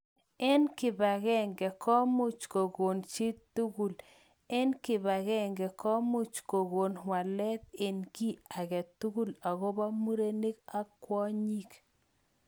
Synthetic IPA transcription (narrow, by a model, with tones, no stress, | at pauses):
ɛ˦nkɪ˨ba˨ɣɛ˦ŋɡɛ˨kɔ˦mʊ˦t͡ʃko˨ɡo˨nt͡ʃi˦t̪u˦ɡu˨l | ɛ˦nkɪ˨ba˨ɣɛ˦ŋɡɛ˨kɔ˦mu˦t͡ʃko˨ɡo˨nwa˨lɛ˦t̪̚e˨nki˦a˨ɣɛ˨t̪u˦ɡu˦la˨ɣo˦ba˦mu˦ɾe˦ni˦ka˦kwɔ˦ɲi˦k